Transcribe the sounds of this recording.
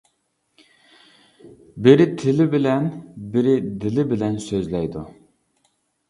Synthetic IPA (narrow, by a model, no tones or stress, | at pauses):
bɪɾɪt̪ʰɪlɪbɪlɛnbɪɾɪd̪ɪlɪbɪlɛnsøzlɛjd̪u